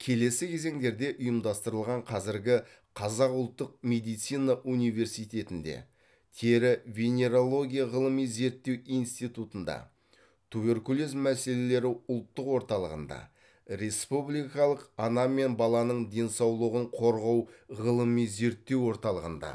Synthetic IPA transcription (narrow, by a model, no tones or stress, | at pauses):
kʲʰe̞le̞sɪkʲʰe̞ze̞ŋd̪e̞ɾd̪e̞ʔʊjəmd̪ɑst̪əɾəlˠʁɑɴqʰɑzɪɾɡʲɪ | qʰɑzɑqʊlˠt̪ːəq̚me̞d̪ijt̪sijnɑʔunijve̞ɾsijt̪e̞t̪ɪnd̪ḛ | t̪ʰeɾɪvʲenʲe̞ɾolˠo̞ɡʲijaʁəlˠəmijze̞ɾt̪ːe̞wijnst̪ijt̪ut̪ənd̪ɑ̰ | t̪ʰube̞ɾkulozmæse̞le̞le̞ɾɪʊlˠt̪ːəqwo̞ɾt̪ɑlˠəʁənd̪ɑ̰ | ɾe̞spublijkɑlˠəqɑnɑme̞nbɑlˠɑnəɴd̪e̞nsɑwlˠəʁəɴqʰo̞ɾʁɑwʁəlˠəmijze̞ɾt̪ːe̞wo̞ɾt̪ɑlˠəʁənd̪ɑ̰